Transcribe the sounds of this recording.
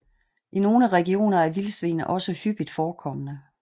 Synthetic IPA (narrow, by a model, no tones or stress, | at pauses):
ʔino̝ːləʁɛɡ̥io̝̰ːnɐæɐʋilsʋe̝̰ːnəʔɒ̽səhyb̥id̥fɒːkʰɒ̽mənə